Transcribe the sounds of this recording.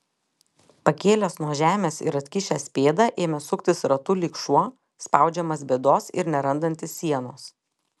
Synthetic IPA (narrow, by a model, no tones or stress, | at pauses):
pɐkʲeːlʲoːsnuɔʒʲæːmʲeːsɪ̰ɾɐt̪ʲkʲɪʃʲæːsʲpʲeːd̪ɐʔeːmʲɛsʊkt̪ʲɪsɾɐt̪ʊlʲiːkʃuɔ | spɑˑʊd͡ʒʲɛmɐsbʲeːd̪oːsɪ̰ɾnʲɛɾɐnd̪ɐnʲt̪ʲɪsːʲiɛnoːs